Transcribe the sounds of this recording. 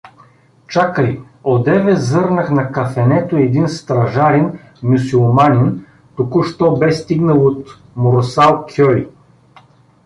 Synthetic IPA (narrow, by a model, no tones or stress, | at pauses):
t͡ʃakəi | od̪ɛvɛzɤɾnəxnɐkɐfɛnɛt̪oɛd̪inst̪ɾɐʒaɾɛn | mʲusulˠmanʲin | t̪okuʃt̪ɔbɛst̪iɡnəlˠot̪ | moɾosalˠkʰʲølʲḭ